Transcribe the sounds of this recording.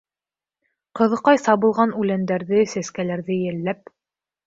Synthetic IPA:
qɤ̆ðɤ̆qɑjsɑβɤ̆lˠʁɑnʉlænd̪æɾðɘsæskælæɾðɘjɘ̆lːæp̚

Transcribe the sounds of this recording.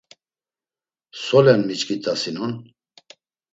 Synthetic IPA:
sɔlɛnmit͡ʃkʰʼit̪ʰʼasinun

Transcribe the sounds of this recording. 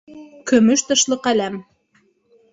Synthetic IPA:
kɵ̆mɵʃt̪ɤ̆ʃlˠɤqælæm

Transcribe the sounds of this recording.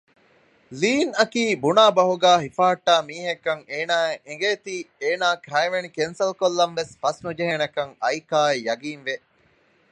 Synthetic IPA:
liːnɐkiːbunaːbɐɦuɡæːɦifaːɐʈːaːmiːɦekːɐŋeːnaːeeŋɡeːt̪iːeːnaːkɾɐiʋenikensɐlkolːɐnʋesfɐsnud͡ʒeɦenɐkɐŋɐjkaːejɐɡiːnʋe

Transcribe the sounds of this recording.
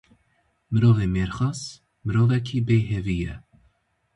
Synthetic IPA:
mɨɾoːveːmeːɾxɑːz | mɨɾoːvɛkʰiːbeːɦɛvijɛ

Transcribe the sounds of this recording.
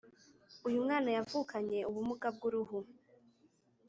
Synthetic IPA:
ujumŋaːnajavukʰaɲe̞uβumuɡab̚ɡuɾuhu

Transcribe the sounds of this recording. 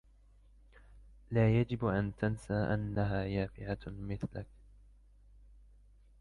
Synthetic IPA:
laːjad͡ʒɪbʔant̪ansaːʔanːaɦaːjaːfɪʕamɪθlak

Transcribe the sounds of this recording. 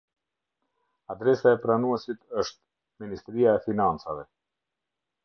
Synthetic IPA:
ad̪ɾɛsaɛpɾanuɛsit̪əʃt̪̚ | minist̪ɾiaɛfinant͡savɛ

